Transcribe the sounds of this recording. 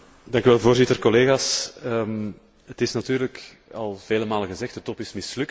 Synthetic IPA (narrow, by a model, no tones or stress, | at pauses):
dɑŋkyʋɛlˠvoːrzɪtərkɔleːɣaːsə | ətɪsnɑtyːɾlək | ɑlˠv̥eːləmaːləɣəzɛxt̚dətɔpɪsmɪslʏk